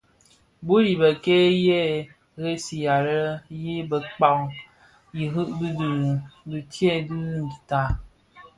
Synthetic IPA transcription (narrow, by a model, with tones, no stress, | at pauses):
bu˦ɾi˨bə˨ke˦je˦ | ɣe˦si˨ja˨ɾə˦je˦bə˨k͡pa˨w | ji˨ɦɨ˦ʔbi˦dɨ˨ɾbi˨tje˦˨dɨ˦n̩˨ta˨